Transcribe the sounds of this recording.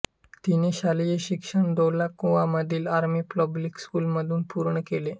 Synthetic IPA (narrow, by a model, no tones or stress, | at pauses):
t̪ineɕalijeɕikʂəɳd̪olakːuʋaməd̪ʱiːlaɾmiːplɔblikskulməd̪ʱuːnpuɾɳəkele